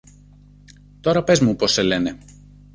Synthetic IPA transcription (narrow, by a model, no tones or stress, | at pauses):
t̪o̞ɾɐpe̞zmupo̞sːele̞ne̞